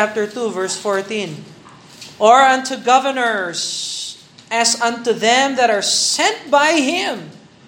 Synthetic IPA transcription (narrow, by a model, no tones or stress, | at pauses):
æp̚tə˞t̪uvɜɹsfɔɹt̪ĩn | ɔ˞ʌ̃ntʰuɡʌvə˞nə˞z | æzʌ̃ntuðɛ̃mðæɾəɹsɛ̃nt̚baɪhɪ̃m